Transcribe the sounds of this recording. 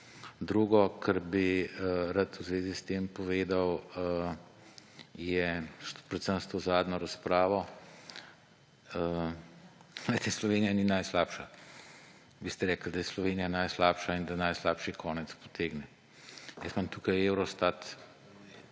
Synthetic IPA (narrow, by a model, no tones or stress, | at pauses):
d̪ɾuːɡɔkʰəɾbiɾat̪wzʋeːzist̪empɔʋeːd̪ɐw | jɛpɾɛt̪səmst̪ozaːd̪nɔɾɐspɾaːʋɔ | lɛjt̪ɛslɔʋenijaninajslaːpʃa | bist̪ɛɾɛːkəld̪ɐjɛslɔʋeːnijanajslaːpʃaind̪ɐnajslaːpʃikʰɔːnɛt̪spo̥t̪ʰeːɡnɛ | jəsmamt̪uːkɐjewɾɔst̪at̪